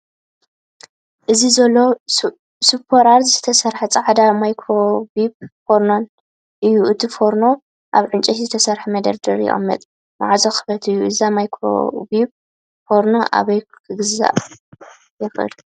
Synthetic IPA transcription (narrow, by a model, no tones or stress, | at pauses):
ʔɨzizɐlːo̞ | supʰːoɾaɾzzɨt̪ʰɐsɐɾħat͡sʼɐʕad̪amajkʰɾo̞bibfoɾnon | ʔɨjːuʔɨt̪ʰifoɾno̞ | ʔaβʕɨnt͡ʃʼɐt̪zɨt̪ʰɐsɐɾħamɐd̪ɐɾd̪ɐɾjɛ̰ʔʼɐ̰mːɐ̰t̪ʼ | na̰ʕazoxɨ̥fɐt̪ʰɨjːuʔɨzamajkʰɾo̰bib̚ | foɾnoʔa̰βɐjkʰɨɡɨza̰ʔ | jɛxʔɨ̰l